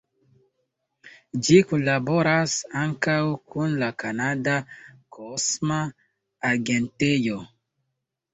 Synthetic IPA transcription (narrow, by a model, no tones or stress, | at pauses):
d͡ʒikulaboɾasaŋkawkʰunlakanadakʰosmaː | ɡentejo